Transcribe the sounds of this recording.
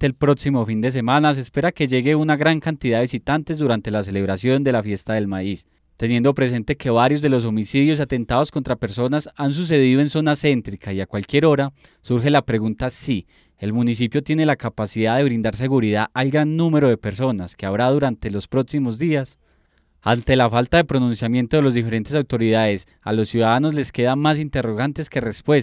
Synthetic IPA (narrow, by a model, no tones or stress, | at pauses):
t̪elpɾo̞ksimo̞find̪e̞s̬e̞manas̬espe̞ɾake̞ʝe̞ɣe̞unaɣɾaŋkant̪iðaðeis̬it̪ant̪e̞zd̪uɾant̪e̞las̬e̞le̞βɾasjo̞nd̪e̞lafje̞st̪aðe̞lmais | t̪e̞nje̞nd̪o̞pɾe̞s̬e̞nt̪e̞ke̞βaɾjo̞zd̪e̞lo̞s̬o̞misiðjo̞s̬at̪e̞nt̪aðo̞sko̞nt̪ɾape̞ɾso̞nasans̬us̬e̞ðiðo̞e̞nso̞nase̞nt̪ɾikaiakwalkje̞ɾo̞ɾa | suɾxe̞lapɾe̞ɣunt̪asi | e̞lmunis̬ipjo̞t̪jene̞lakapasiðaðe̞βɾind̪aɾs̬e̞ɣuɾiðaalɡɾanːume̞ɾo̞ðe̞pe̞ɾso̞naskeaβɾaðuɾant̪e̞lo̞spɾo̞ksimo̞zd̪ias | ant̪e̞lafalt̪aðe̞pɾo̞nũnsjamje̞nt̪o̞ðe̞lozd̪ife̞ɾe̞nt̪e̞s̬awt̪o̞ɾiðaðes | a̰lo̞sːjuðaðano̞zle̞ske̞ðamasint̪e̞ro̞ɣant̪e̞ske̞respwes